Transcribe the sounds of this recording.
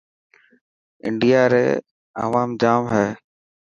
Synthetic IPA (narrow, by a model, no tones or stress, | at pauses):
ɪ̰ɳɖijaːɾḛː | ə̰ʋaːmd͡ʒaːmɦɛː